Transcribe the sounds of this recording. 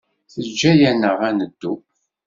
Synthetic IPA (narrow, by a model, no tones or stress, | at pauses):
θəd͡ʒːæjænːəʁænəd̪ːu